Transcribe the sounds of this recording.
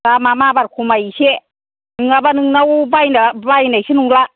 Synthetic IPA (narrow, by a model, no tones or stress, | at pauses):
tamamabaɾkʰumajise | nɯŋabanɯŋnawbajnabajnajsʰinuŋla